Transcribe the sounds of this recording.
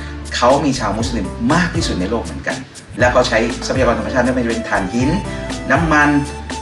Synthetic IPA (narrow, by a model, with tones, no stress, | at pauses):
kʰa˦˥wmiː˧t͡ɕʰaː˧wmu˦˥sli˧mːaː˥˩k̚t̪ʰiː˥˩su˨˩t̪̚na˧jloː˥˩k̚mɯ˩˦ə˦nka̰˧n | lɛː˦˥wkʰa˦˥wt͡ɕʰa˦˥jsa˧˥pʰa˧ja˧ɔː˧nʰa˧mʰ˧aː˥˩t̪̚mː˥˩m˧˩t͡ɕa˧pe˧nt̪ʰaː˨˩nhi˦˥nna˦˥mːa˧n